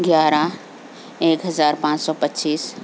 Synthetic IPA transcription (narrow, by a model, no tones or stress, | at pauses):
ɡjaːɾa | eːkɦɐzaːɾpãːt͡ʃsɔːpətːt͡ʃiːs